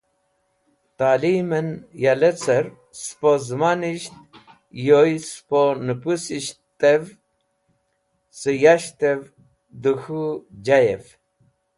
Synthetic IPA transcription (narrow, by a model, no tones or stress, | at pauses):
t̪alimənjalet͡səɾ | spozmaniʃt̪̚ | jojsponɨpusiʃt̪ev | sɨjaʃt̪ev | d̪uxud͡ʑajef